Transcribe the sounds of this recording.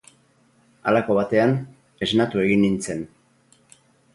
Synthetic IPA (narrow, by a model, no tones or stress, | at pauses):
a̰lako̞βat̪e̞an | e̞znat̪ue̞ɣinːint͡se̞n